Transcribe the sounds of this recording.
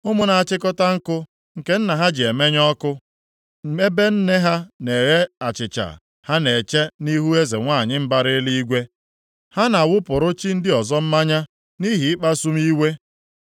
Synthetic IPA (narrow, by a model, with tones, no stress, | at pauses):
ʊ˦mʊ˦na˨a˨t͡ʃɪ˦kɔ˦ta˦ŋ̩˦kʊ˦ | ŋ̩˨ke˦n̩˦na˨ɦa˦d͡ʒɪ˨e˨me˦ɲɔ˦kʊ˦ | me˦be˦n̩˦ne˦ɦa˦ne˨ɣe˦a˨t͡ʃɪ˨t͡ʃa̰˨ | ha˦ne˨t͡ʃe˦ni˦ɦu˦e˦ze˨ŋʷaː˦˨ɲɪ˦m̩˦ba˦ɾɪ˦li˦i˦ɡʷe˦ | ha˦na˨wʊ˦pʊ˨ɾʊ˦t͡ʃi˦n̩˦dɪ˦ɔ˨zɔ˦m̩˦ma˦ɲa˦ | ni˦ɦi˨ɪ˦k͡pa˦su˦m̩˦i˦we˦